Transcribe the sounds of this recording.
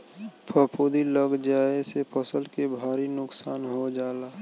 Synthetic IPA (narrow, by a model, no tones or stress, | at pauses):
pʰəpʰoːd̪iləɡd͡ʒaːesepʰəsəlkebʱaːɾinʊksaːnɦod͡ʒaːlaː